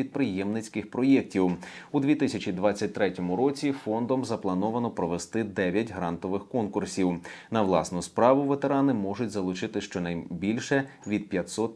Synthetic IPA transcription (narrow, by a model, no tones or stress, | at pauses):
id̪̚pɾɪjɛmnɪt͡sʲkɪxpɾɔjɛk̚tʲiw | ud̪ʋʲit̪ɪsʲɐt͡ʃʲid̪ʋɑt͡sʲːɐt̚ʲt̪ɾɛtʲɔmʊɾɔt͡sʲifɔnd̪ɔmzɐplˠɐnɔʋɐnɔpɾɔʋest̪ɪd̪ɛʋʲjɐtʲɦɾɑnt̪ɔʋɪxkɔnkʊrsʲiwnɐwlˠɑ̰snʊspɾɑʋʊʋet̪eɾɑnɪmɔʒʊtʲzɐlˠʊt͡ʃɪt̪ɪʃt͡ʃɔnɐjbʲilʲʃɛ | ʋʲid̪̚pʲjɐt̪sɔt̪